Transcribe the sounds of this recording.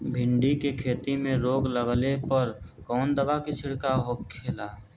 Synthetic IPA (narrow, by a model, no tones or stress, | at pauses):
bʱɪɳɖikekʰeːt̪imẽɾoːɡləɡlepəɾ | kɔːnd̪əbakɪt͡ʃʰɪɽkaɦoːkʰːeːlaː